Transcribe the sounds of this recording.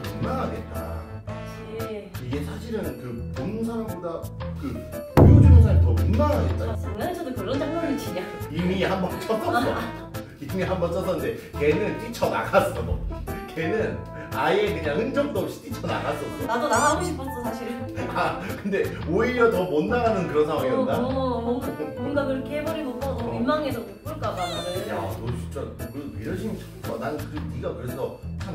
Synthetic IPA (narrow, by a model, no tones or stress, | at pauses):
punmaɾade̞̰t̚t͈a̰ | iɡe̞sʰaɕʰiɾɯnkɯponsʰaɾambodakɯojodɯmos̬ʰatʌpunmaɾadet͈̚ːanand͡ʑʰʌdɯkjʌɭːʌnd͡ʑʌŋɡʌnɯt͡ɕʰiɲaimihambʌnt͡ɕʰʌs͈ʰʌo | imiɦambʌnt͡ɕʰʌs͈ʰʌɯnde | ke̞nɯnt͈it͡ɕʰʌna̰ɡas͈ʌdo̰ke̞nɯn | aie̞kɯɲaŋɦɯnd͡ʑʌk̚t͈oʌp̚ɕ͈i̥t͈it͡ɕʰʌna̰ɡas͈ʌdonadonaɡaɡoɕʰipʰʌs͈ʌsʰaɕʰiɾɯakɯnde̞ | oiʎjʌtʌmonːaɡanɯnkɯɾʌns̬ʰawaɡaʌmonɡakɯɾʌkʰehebʌɾimosʰʌnoimmːaŋesʰʌtup͈ɯɭk͈abaaja̰noɕʰi̥t͡ɕ͈ʰʌkɯiɾjʌɕʰint͡ɕʰʌtʰʌnanɯnkɯɾtiɡakɯɾesʰʌt͡ɕʰan